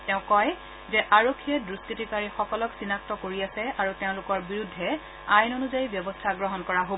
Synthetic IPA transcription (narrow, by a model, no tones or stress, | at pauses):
tɛʊ̃kɔj | zɛʔaɹokʰːiɛdɹustitikaɹixɔkɔlɔksinak̚tɔkoɹiasɛaɹuteʊ̃lʊkɔɹbiɹudʱːɛ | ajnonuzajibjɔbɔstʰaɡɹɔɦɔnkɔɹaɦo